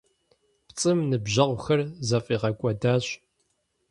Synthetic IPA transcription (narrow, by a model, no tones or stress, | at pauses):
pt͡sʼɨmnɨbʑɐʁʷxɐrzɐfʼiːʁɐkʷʼɐdaːɕ